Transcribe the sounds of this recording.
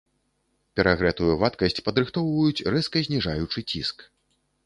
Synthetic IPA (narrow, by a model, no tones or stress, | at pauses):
pʲɛɾaɣɾɛt̪ujuvat̪kɐsʲt͡sʲpɐd̪ɾɨxt̪ɔwvɐjut͡sʲrɛskɐzʲnʲiʐajut͡ʂɨt͡sʲḭsk